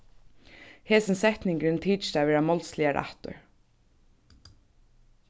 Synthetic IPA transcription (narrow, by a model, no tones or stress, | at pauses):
hɛːsɪnsɛht̪nɪŋkɾɪnt̪ʰiːt͡ʃt͡ʃt̪aːvɛːɾamɔlslɪaɾʔa̰ht̪ʊ̰ɹ